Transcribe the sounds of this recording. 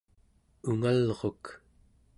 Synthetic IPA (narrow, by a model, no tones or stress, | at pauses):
uŋalʁo̞k